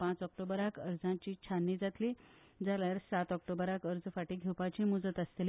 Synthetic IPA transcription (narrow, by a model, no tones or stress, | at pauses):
pãt͡sɔk̚ʈobəɾakəɾd͡zãt͡ɕiːt͡ɕʰanːid͡zat̪liː | d͡zaljaɾsat̪ɔk̚ʈobəɾakəɾd͡zəfaʈiːɡʱewpat͡ɕiːmud͡zət̪əst̪el